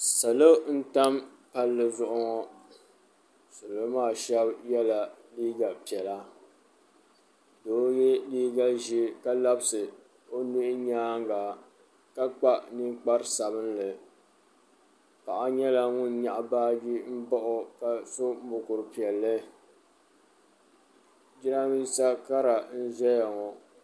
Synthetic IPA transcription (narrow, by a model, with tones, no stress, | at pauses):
sa˨lo˦n̩˦ta˦m | pa˦lːɨ˦˨zʊ˦˨ʔʊ˦ŋɔ˦ | sa˨lo˦maː˦˨ʃɛ˦bjɛ˦la˨liː˦ɡa˨pi˨ɛ˨la˦ | doː˨˦jɛ˦liː˦ɡa˦ʒi˦ka˦la˦bsɨ˨ | o˦nu˦ʔɪ˦ɲaː˦ŋɡa˨ | ka˦k͡pa˦nɨ˦k͡pa˦ɾsa˨bɨ˦n˦lɨ˨ | ka˨ʔa˦ɲɛ˦la˦ŋʊ˦n˦ɲa˨ʔa˨baː˦di˦m̩˦bɔ˦ʔʊ˨ka˨so˦mʊ˨kʊ˨ɾɨ˨pi˨ɛ˨lːɨ˦ | d͡ʒi˦ɾa˦mi˦sa˦ka˦ɾa˨n̩˦zɛ˦ja˨ŋɔ˨